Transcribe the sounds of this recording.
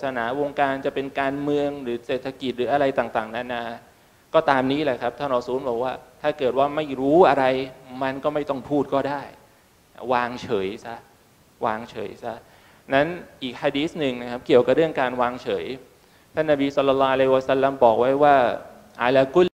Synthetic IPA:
sa˧naː˩˦wo˧ŋkaː˧nt͡ɕa˨˩pe˧nkaː˧nmɯ˧əŋɾɯː˩˦seː˨˩t̪ʰa˧ki˨˩t̪̚ɾɯː˩˦ʔa˧ɾa˧jt̪aː˨˩ŋt̪aː˨˩ŋna˦˥˩nʔaː˧˩ | kɔː˥˩t̪aː˧mniː˦˥lɛ˧kʰa˦˥p̪̚ʰa˥˩nɾɔː˨˧˦suː˦˥nbɔː˨˩k̚waː˥˩t̪ʰaː˥˩kɤː˨˩t̪̚waː˥˩ma˥˩jɾuː˦˥ʔa˧ɾa˧jma˧nkɔː˥˩ma˥˩jt̪ɔ˥˩ŋpʰuː˥˩t̪̚kɔː˥˩daː˥˩j | waː˧ŋt͡ɕʰɤː˩˦jsa˦˥ | waː˧ŋt͡ɕʰɤ̰ː˩˦jsa˦˥ | na˦˥nʔiː˨˩k̚hʰaː˧diː˦˥snɯ˨˩ŋna˦˥kʰa˦˥p̚ki˨˩əwka˨˩ɾɯ˥˩əŋkaː˧nwaː˧ŋt͡ɕʰɤː˩˦j | t̪ʰa˥˩nːa˨˩biː˧sɔ˧˥lːɔ˧lːɔː˦˥ʔa˧la˧hi˧waː˧sa˦˥lːa˧mbɔː˨˩k̚wa˦˥jwaː˥˩ | ʔa̰ː˧laː˧ku˦˥˩

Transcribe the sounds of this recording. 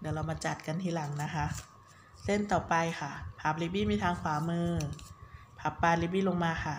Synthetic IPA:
di˨˩˦wla˧wmaː˧t͡ɕa˨˩t̪̚ka˧nt̪ʰiː˧la˩˦ŋna˦˥kʰa˦˥ʔ | se˥˩nt̪ɔː˨˩pa˧jkʰa˥˩pʰaː˨˩p̚li˦˥biː˦˥˩miː˧t̪ʰaː˧ŋkʰwaː˩˦mɯː˧ | pʰaː˨˩˥pːaː˧li˦˥biː˦˥˨lo˧ŋmaː˧kʰa˥˩

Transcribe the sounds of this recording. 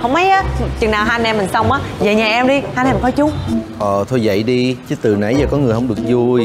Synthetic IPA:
hə˧wŋ͡mmə˨˦jʔaː˨˦t͡ɕɨ˨˩ŋnaː˨˩wɦaː˧jnɛ˧mi˨˩ŋ̟sə˧wŋ͡mʔaː˨˦zeː˨˩ɲaː˨˩ʔɛ˧mɗi˧haː˧nɛ˧˩kɔ˨˦t͡ɕu˨˦ʔəː˨˩t̪ʰo˧jvə̰˧˨jɗi˧t͡ɕɨ˨˦t̪ɨ˨˩na̰˧˩˦jzaː˨˩kɔ˨˦ŋɨ˨˩əjɦə˧wŋ͡mɗɨ˨˩ək̚zu˧j

